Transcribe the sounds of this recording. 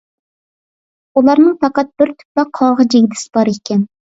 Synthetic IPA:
ulˠɑɾnɨŋp̪ʰɑqɑt̪̚b̥ɪɾt̪ʰy̥plɑqʰɑʁɑd͡ʒeɡʲd̪ɪsɪ̥bɑɾekʲɛn

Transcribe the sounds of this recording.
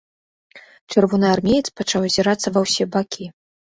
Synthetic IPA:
t͡ʂɨrvɔnɨarmʲejt̪spat͡ʂawzʲiɾat̪sːɐvɐwsʲɛbakʲʰi

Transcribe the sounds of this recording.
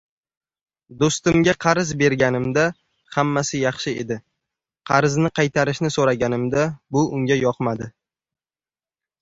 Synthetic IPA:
d̪ost̪ɪmɡʲaqʰɑɾɪzbe̞ɾɡʲanɪmd̪a | hamːasɪjɑχʃɪḛd̪ɪ | qʰɑɾɪznɪqʰɑjt̪ʰaɾɪʃnɪsoɾaɡʲanɪmd̪abʊʊŋɡʲajɒqmad̪ɪ

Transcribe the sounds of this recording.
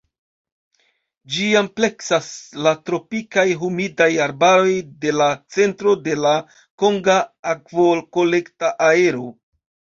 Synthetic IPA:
d͡ʒiample̞ksaslatɾo̞pikajɦumidajaɾbaɾo̞jde̞lat͡se̞ntɾo̞de̞la | ko̞ŋɡaːkvolko̞le̞ktaʔae̞ɾo̞

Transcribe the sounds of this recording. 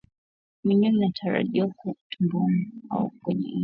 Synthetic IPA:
miɲiminatʰaɾa̰ʄiwakutʰumbuma̰ṵkwɛɲɛ̰

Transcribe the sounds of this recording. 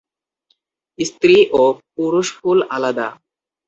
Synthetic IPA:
ist̪ɾiʔop̚uɾuʃfulalad̪a̰

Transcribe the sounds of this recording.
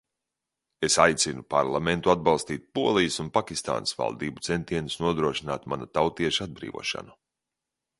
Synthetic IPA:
esajt̪sinupa̰ɾlˠament̪uad̪̚balˠst̪iːt̪̚puɔlˠijəsunpakʲist̪a̰ːnəsva̰lˠd̪iːbu̥t̪sent̪iɛnusnuɔd̪ɾuɔʃinaːt̪manat̪awt̪iɛʃad̪̚bɾḭːvṵɔʃa̰nu

